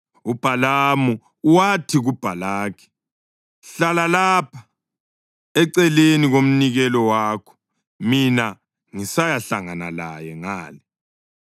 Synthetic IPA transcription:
ub̥ʱalamu | watʰiɣub̥ʱalaːkʰɛ̥ | ɬalalapʰḁ | ɛǀɛleniɣom̩niɣɛlɔwaːkʰɔ̥ | mina | ŋisajaɬaŋanalajɛŋaːli

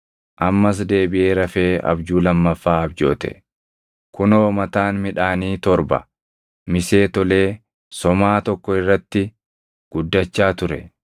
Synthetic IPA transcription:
ʔɐmːɐs̬d̪e̞ːbɪʔe̞ːɾɐfeːɐ̰bd͡ʒuːlɐmːɐfːaːɐbd͡ʒo̞̰ːt̪ɛ̰ | kʊno̞ːmɐt̪aːnmɪᶑaːniːt̪ɔɾbɐ̰ | mɪse̞ːt̪ɔle̞ː | sɔmaːt̪ɔkːɔɪrːɐt̪ːɪ | ɡ̥ʊd̪ːɐt͡ʃːaːt̪ʊɾɛ̰

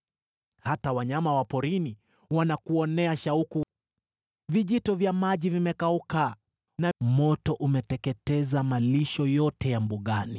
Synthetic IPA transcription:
hatawaɲamawapɔɾini | wanakuɔnɛaʃauku | viʄitɔvjamaʄivimɛkauka | namɔtɔʔumɛtɛkɛtɛzamaliʃɔjɔtɛjambuɠani

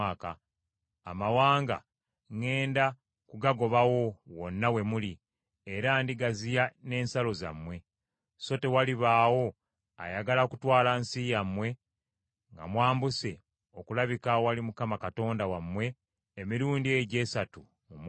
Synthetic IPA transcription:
aːka̰ː | mawaːŋɡa̰ | ŋe̞ːnda | kuɡaɡo̞βawo̞wo̞nːawe̞muli | eɾandiɡazijane̞ːnsalo̞za̰mwe̞ | so̞te̞waliβaːwo̞ | a̰jaɡalakutwaːlansijamwe̞ | ŋɡa̰mwaːmbuse̞ | o̞kulaβikaowalimukamakato̞ːndawamwe̞ː | miɾuːndieɟe̞ːsatu | mum

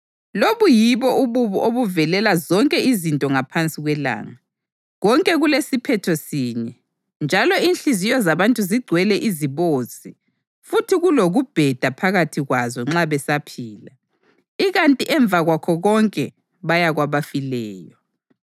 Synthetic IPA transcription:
loβujiβɔʔuβuβuʔoβuvɛlɛlazɔŋkʼɛizintʼɔŋapʰant͡sʼiɣwɛla̰ːŋa | ɣɔŋkʼɛɣulesipʰɛtʰɔsiːɲɛ | nd͡ʒʱalɔinɬizijɔzaβantʼuziɡ͡ǀʱwɛlɛʔiziβosʼi | futʰiɣuloɣub̥ʱɛd̥ʱapʰaɣatʰiɣwazɔŋ͡ǁaβɛsapʰiːla̰ | iɣantʼiʔɛɱb̪vʱaɣwakʰɔɣɔŋkʼɛ | βajaɣwaβafilɛːjɔ

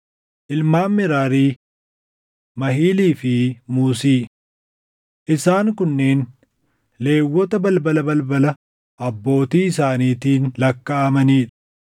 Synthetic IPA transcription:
ʔɪlmaːmːɪɾaːɾiː | mɐɦiːliːfɪmuːsiː | ʔɪsaːŋkʊnːeːn | le̞ːwːɔt̪ɐbɐlbɐlɐbɐlbɐlɐ | ʔɐbːo̞ːt̪iːɪsaːniːt̪iːnlɐkːɐːmɐniːᶑɐ̥

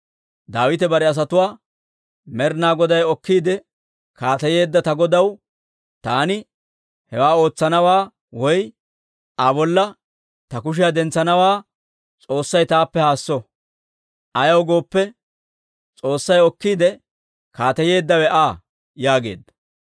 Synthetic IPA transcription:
d̪aːwɪt̪̬ɛbɐɾɛɐs̬ɐt̪ʊwaː | mɛɾnaːɡɔd̪ɐjɔkːiːd̪ɛ | kaːt̪ɐje̞ːd̪ːɐt̪ɐɡɔd̪ɐw | t̪aːnɪ | hɛwaːo̞ːt͡sːɐnɐwaː | wɔj | ʔɐbɔlːɐ | t̪ɐkʊʃ̬ɪjad̪ɛnt͡sːɐnɐwaː | t͡sʼo̞ːsːɐjt̪aːpːɛhaːsːɔ | ʔɐjɐwɡo̞ːpːɛ | t͡sʼoːsːɐjɔkːiːd̪ɛ | kaːt̪ɐje̞ːd̪ːɐwɛʔaː | jaːɡe̞ːd̪ːɐ̥

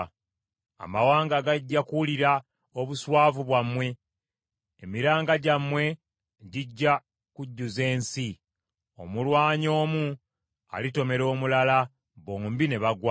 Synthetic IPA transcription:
a̰mawaːŋɡaɡaɟːakuliɾa | oβuswaːvuβwamwe̞ː | miɾaːŋɡaɟamːwe̞ | ɟiɟːa | kuɟːuze̞ːnsi | o̞̰mulwaːɲo̞ːmu | a̰lito̞me̞ɾo̞ːmulala | bombine̞βaɡwa

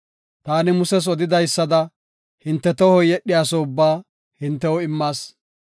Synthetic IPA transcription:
t̪aːnɪmʊsɛs̬ɔd̪ɪd̪ɐjsːɐd̪ɐ | hɪnt̪ːɛt̪ɔhɔjɛɗːɪjaːsɔʊbːaː | hɪnt̪ːɛwɔɪmːaːs

